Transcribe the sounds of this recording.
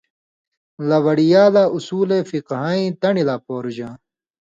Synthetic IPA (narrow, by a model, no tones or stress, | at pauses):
lɐwɐɽijaːlaːʔusuːlefiqɦaːĩːt̪ɐɳilaːpoːɾud͡ʑãː